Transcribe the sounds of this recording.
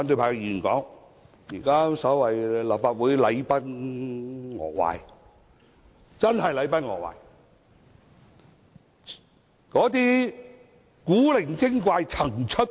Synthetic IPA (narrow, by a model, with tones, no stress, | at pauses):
a˧˥nt̪ɵ˧pʰaː˧kjiː˨˩nkɔ̰ː˨˥ŋ | jiː˨˩kaː˥sɔː˨˥wɐ˨jlɐ˨p̚faː˧t̚wuː˨˥jlɐ˨˧jpɐ˥n | ŋɔ̰ː˨˩k̚wa̰ː˨j | t͡sɐ˥nhɐ˨jlɐ˨˥jpɐ˥nŋɔ̰˨k̚wa̰ː˨˩j | kɔː˨˥t̪̬iː˥ | kuː˨˥lɪ˨˩ŋkɪ˥ŋkʷaː˧jt͡sʰɐ˨˩ŋt͡ʃʰɵ˥t̚